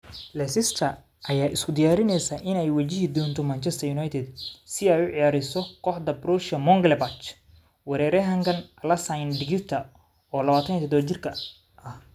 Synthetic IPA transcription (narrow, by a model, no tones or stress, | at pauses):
lɛsɪst̪ʰɐ | ʔɐjaːʔɪskʰʊd̪ɪjaːɾɪnɛjsɐːʔɪnɛjwɐt͡ʃɪɦid̪ɔːnt̪ʰɔmant͡ʃʰɛst̪ʰɐjʊnajt̪ʰɛd̪sɪɛjʊʕɪjaːɾɪsɔkʰɔːħd̪ɐbɾɔːʃɐmɔŋɡlɛbɐt͡ʃ | wɐɾɛːɾɛɦɐŋkʰɐnʔɐlɐsajnɖɪɡɪrt̪ʰɐ | ɔːlɐβaːt̪ʰɐnjɛt̪ʰɔd̪ɔt͡ʃɪrkʰɐ | ɐh